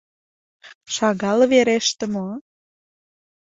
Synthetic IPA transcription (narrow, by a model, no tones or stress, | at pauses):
ʃɑɣɑlβeɾeʃt̪ə̆mo